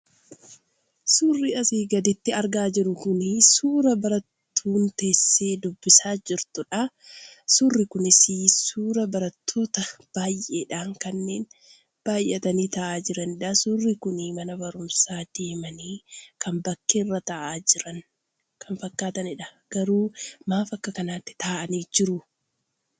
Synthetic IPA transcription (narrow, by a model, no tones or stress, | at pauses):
suːrːɪɐsiːɡɐd̪ɛt̪ːɪɐɾɡaːd͡ʒɪɾʊkʊnɪsuːɾɐbɐɾɐt̪ːuːnt̪e̞ːsːe̞ːd̪ʊbːɪsaːd͡ʒɪɾt̪ʊᶑɐsuːrːɪkʊnɪsisuːɾɐbɐɾɐt̪ʰːo̞ːt̪ɐb̥aːjʔeːᶑaːŋkɐnːe̞ːn | b̥aːjʔɛt̪ɐniːt̪ɐʔaːd͡ʒɪɾɐnɪᶑɐsʊrːɪkʊnɪmɐnɐbɐɾʊmsaːd̪e̞ːmɐniːkʰɐmbɐkːerːɐt̪ɐʔaːd͡ʒɪɾɐn | kʰɐnfɐkːaːt̪ɐnɪᶑɐɡ̥ɐɾuːmaːfɐkːɐkɐnaːt̪ːɪ̥t̪aːʔɐniːd͡ʒɪɾʊ